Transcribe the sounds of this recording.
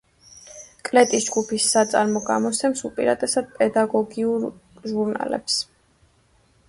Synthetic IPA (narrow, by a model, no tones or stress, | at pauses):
kʼlɛt̪ʼisd͡ʒɡupʰisːat̪sʼaɾmɔɡa̰mɔsʰɛmsupʼḭɾad̪ʼɛsad̪̥̚pʼɛd̪aɡɔɡiuɾʒuɾna̰lɛ̰ps